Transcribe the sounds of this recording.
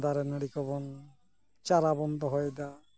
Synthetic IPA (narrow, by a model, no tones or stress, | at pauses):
d̪aɾenəɽikɔbɔn | t͡ɕaɾabɔnd̪ɔɦɔjd̪a